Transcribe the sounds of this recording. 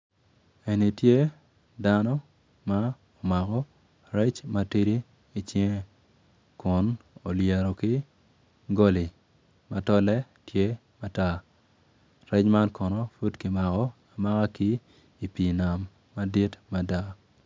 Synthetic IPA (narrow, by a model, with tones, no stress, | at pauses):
e˨ni˨tje˦ | da˦nɔ˦ | ma˦ | ɔ˨ma˨kɔ˦ | ɾɛ˦t͡ʃma˦ti˦diː˦ | t͡ʃi˦ŋe˦ | kʊ˨no˨lje˨ɾo˨kɪ˦ | ɡo˦li˨ | ma˨tɔ˦lɛ˦ | tje˦ | ma˦ta˦˨ | ɾɛ˦t͡ʃma˦nkɔ˨nɔ˦fu˦dki˨ma˨kɔ˦ | a˨ma˦ka˦kiː˦˨ | pi˨na˨mː | a˦di˦tma˨da˦